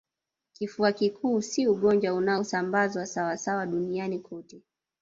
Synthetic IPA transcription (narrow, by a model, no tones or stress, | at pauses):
kifuakikʰuːsiuɠɔnd͡ʒwaunaɔsambazwasawasawaɗunianikʰɔtɛ